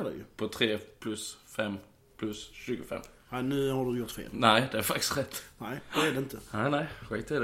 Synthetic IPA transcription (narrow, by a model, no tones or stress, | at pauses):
ɛd̪ɛ̰jʊ̰pʰɔt̪ʰɾeːpʰlʉsfɛm | pʰlʉsʃʉːɡəfɛ̰mː | æɪnʉːhɑɾd̪ʉjʊɾt̪fḛːlnæɪd̪ɛæɾfɑk̚t̪ɪ̥sɾɛt̪ːnæɪd̪ɛæd̪ɛɪnt̪ənæɪnæɪɧæɪt̪ːɛd